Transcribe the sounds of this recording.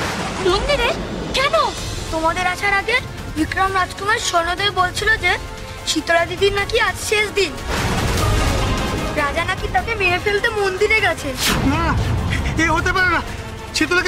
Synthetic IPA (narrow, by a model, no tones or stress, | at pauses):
mond̪iɾeɾkɛnot̪omad̪eɾaʃaɾaɡe | bikɾamɾad͡ʑkumaɾʃɔɾnod̪ebolt͡ɕʰilod͡ʑe | ʃit̪oɾad̪id̪inːakiad͡ʑʃeʃd̪in | ɾad͡ʑanakit̪akemeɾefelt̪emond̪iɾeɡɛt͡ɕʰena | keɦot̪epaɾena | ʃit̪oɾa